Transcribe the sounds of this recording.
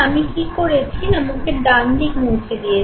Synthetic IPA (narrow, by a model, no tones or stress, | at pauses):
amikikoɾet͡ɕʰiamoŋkeɖamnikmõːt͡ɕʰed̪ie